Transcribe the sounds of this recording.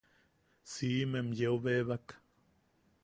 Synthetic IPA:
simemjeoβeβak

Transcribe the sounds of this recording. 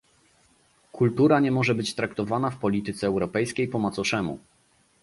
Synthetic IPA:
kʰult̪uɾaɲɛmɔʐɛbɘt͡ɕt̪ɾakt̪ɔvanafpɔlʲit̪ɘt̪sɛːwɾɔpɛjskʲejpɔmɔt̪sɔʂɛmṵ

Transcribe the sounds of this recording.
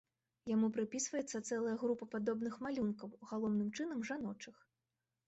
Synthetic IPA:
jamupɾɨpʲisvɐjɛt̪sːɐt̪sɛlˠɐjɐɣɾupɐpad̪ɔbnɨxmalʲunkɐwɣalˠɔwnɨmt͡ʂɨnɐmʐanɔt͡ʂɨx

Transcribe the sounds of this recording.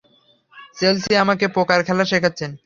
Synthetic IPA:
selsiamakepokaɾkʰɛlaʃekʰatːɕʰen

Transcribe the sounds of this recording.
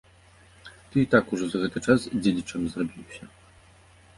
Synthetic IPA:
t̪ɨit̪akuʐɔzaɣɛt̪ɨt͡ʂasd͡zʲelʲit͡ʂɐmʲzrɔbʲiwɕʲɐ

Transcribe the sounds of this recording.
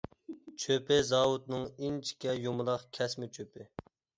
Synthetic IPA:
t͡ʃʰøpɪzɑːwut̪nɨŋint͡ʃʰi̥kʲɛjomʊlˠɑχkʲʰɛsmɪt͡ʃʰøpɪ

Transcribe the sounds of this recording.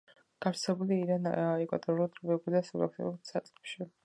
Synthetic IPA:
ɡ̥aɾsɛbuliiɾanaɛkʼwa̰t̪ʼɔɾulˠd̪ʼɾbɛɡud̪asɔla̰kʰt̪ʰʼḭulsat̪sʼqɛpʃi

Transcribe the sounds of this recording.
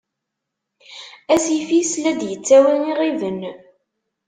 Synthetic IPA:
æsjəfislæd̪jət͡sːæwæniʁivən

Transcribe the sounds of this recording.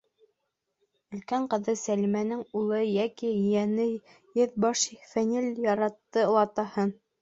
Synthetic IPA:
ɵ̆lkæɴqɤ̆ðɤsælimænɘŋulˠɤjækijænɘ | jɘðbɑʃifænɘljɑɾɑt̪ːɤlˠɑt̪ɑhɤn

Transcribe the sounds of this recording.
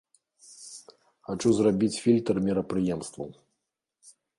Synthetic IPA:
xat͡ʂuzrabʲit͡sʲfʲilʲt̪ɐrmʲiɾɐpɾɨjɛmst̪vɐ̰w

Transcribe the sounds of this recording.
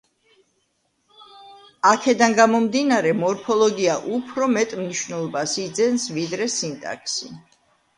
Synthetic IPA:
akʰɛd̪anɡamɔmd̪inaɾɛmɔɾpʰɔlˠɔɡiaʔupʰɾɔmɛt̪ʼmniʃvnɛlˠɔbasid̪zɛnsvid̪ɾɛsint̪ʼa̰kʰsi

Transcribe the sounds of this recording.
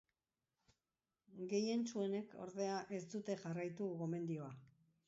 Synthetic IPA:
ɡe̞je̞nt͡sue̞ne̞kʰo̞̰ɾðe̞aʔe̞st̪ut̪e̞ʝarajt̪uɣɣo̞me̞nd̪io̞a

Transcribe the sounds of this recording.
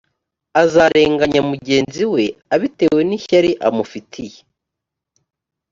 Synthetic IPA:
azaɾʔe̞ːŋɡaɲamuɟe̞ːnziwe̞aβite̞we̞niçaɾiʔamufitʰije

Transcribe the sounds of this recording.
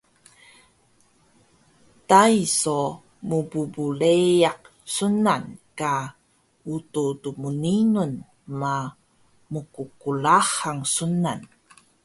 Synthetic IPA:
taiso | mububulejaq̚ | sunanka | ututumuninun | ma | mukukulahaŋsunan

